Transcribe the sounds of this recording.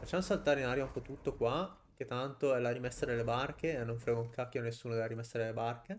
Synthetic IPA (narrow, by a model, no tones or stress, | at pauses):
fat͡ʃːamosalt̪aːɾenaɾjoampot̪ut̪ːokwa | k̟et̪ːant̪oɛlaɾimesːad̪elːebarkeːnːoɱfɾɛːɡouŋkakːjonesːuːnod̪elaɾimɛsːad̪elːebarke